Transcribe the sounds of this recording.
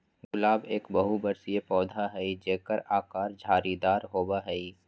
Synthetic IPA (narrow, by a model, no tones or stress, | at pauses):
ɡʊlaːbeːkbɐɦubəɾsijepɔːd̪ʱaɦɛid͡ʒeːkəɾaːkaːɾd͡ʒʱaːɾid̪aːɾɦoːbaɦɛi